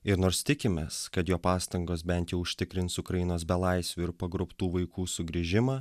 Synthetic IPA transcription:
ɪɾnoːɾst̪ʲɪkʲɪmʲeːskɐt̪joːpɑːst̪ɐŋɡoːsbʲɛnʲt̪jɛʊʊʃʲt̪ʲɪkɾʲɪnsʊkɾɐjɪnoːs̬bʲɛlˠɐɪsʲʋʲuɪɾpɐɡɾʊpt̪uːʋɐɪkuːsʊɡɾʲiʒʲɪmɑː

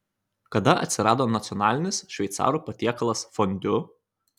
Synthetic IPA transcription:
kɐd̪ɐɐ̰t̪ʲsʲɪɾɑːd̪oːnɐt̪sʲɔnɑːlʲɪnʲɪsʃʲʋʲɛɪt̪sɑ̰ːɾuːpɐt̪ʲiɛkɐlˠɐsfɔnʲd̪ʲʊ

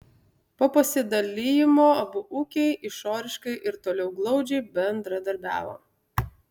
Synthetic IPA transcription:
poːpɐsʲɪd̪ɐlʲɪjɪmoːɐbʊʔuːkʲɛɪʔɪʃoːɾʲɪʃkɐɪʔɪɾt̪oːlʲɛʊɡlˠɒʊd͡ʒʲɛɪbʲɛnd̪ɾɐd̪ɐɾʲbʲæ̰ːʋo̰ː

